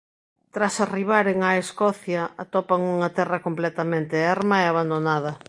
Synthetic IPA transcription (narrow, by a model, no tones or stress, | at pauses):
t̪ɾasariβ̞aɾeŋaeskɔθjɐat̪ɔpaŋuŋɐt̪ɛrɐkomplɛt̪amẽnt̪ɪaɾmaeaβand̪onað̞ɐ